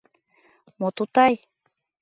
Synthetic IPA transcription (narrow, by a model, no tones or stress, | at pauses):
mot̪ut̪ɑj